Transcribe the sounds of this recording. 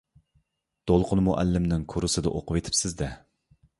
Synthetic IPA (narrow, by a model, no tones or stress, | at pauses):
d̪̥olˠqʰʊnmuʔæ̰lːɪmnɪŋkʰoɾɨsɨd̪ɛ̰ʔoqʊwet̪ʰɪ̥psɪzd̪ɛ